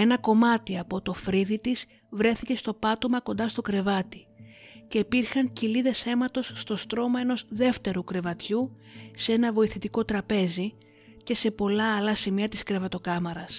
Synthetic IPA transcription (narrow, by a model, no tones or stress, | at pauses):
e̞nɐko̞mɐt̪iɐpo̞t̪o̞fɾiðit̪iz | vɾe̞θice̞st̪o̞pɐt̪o̞mɐko̞nd̪ɐst̪o̞kɾe̞vɐt̪ice̞ipiɾxɐɲciliðe̞se̞mɐt̪o̞sːt̪o̞st̪ɾo̞mɐe̞no̞zðe̞ft̪e̞ɾukɾe̞vɐt̪çu | see̞nɐvo̞iθit̪iko̞t̪ɾɐpe̞zi | ce̞se̞po̞lɐːlɐsimiɐt̪iskɾe̞vɐt̪o̞kɐmɐɾɐs